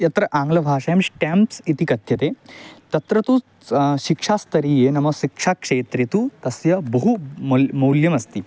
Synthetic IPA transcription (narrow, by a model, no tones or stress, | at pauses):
jɐt̪ɾɐʔaŋɡlɐbʱaːʂɐjɐmɕʈempsit̪ikɐt̪jɐt̪et̪ɐt̪ɾɐt̪uː | ɕikʂast̪ɐɾiːjenɐmɐʃikʂakʂeːt̪ɾit̪uːt̪ɐsjɐbɐɦumɐmɐwljɐmɐst̪iː